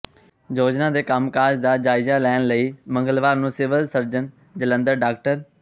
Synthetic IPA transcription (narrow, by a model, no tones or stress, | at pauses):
d͡ʒoːd͡ʒnãːd̪eːkəmkaːd͡ʒd̪aːd͡ʒaːɪzaːlɛːnləiːmə̃ŋɡəlʋaːɾnũːsɪʋəlsəɾd͡ʒən | d͡ʒələ̃nd̪əɾɖaːkʈəɾ